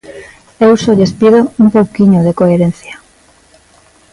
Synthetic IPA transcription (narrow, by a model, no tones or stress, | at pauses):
ewsoʎespiðoumpowkiɲoðekoeɾen̟θja